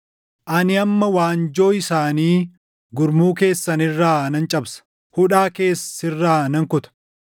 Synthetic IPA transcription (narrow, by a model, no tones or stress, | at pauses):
ʔɐnɪɐmːɐwaːnd͡ʒo̞ːɪsaːniː | ɡʊɾmuːke̞ːsːɐnɪrːaːnɐnt͡ʃʼɐbsɐ̥ | hʊᶑaːke̞ːsɪrːaːnɐŋkʊt̪ɐ̥